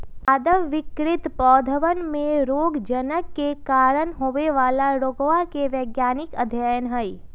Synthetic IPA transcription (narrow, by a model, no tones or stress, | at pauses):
aːd̪əʋːɪkɾɪt̪pɔːd̪ʱəʋənmẽɾoːɡd͡ʒənəkːekaːɾənɦoːʋeʋaːlaɾoːɡʋakeʋjəːɡjaːnɪkəd̪ʱjaːjənɦəi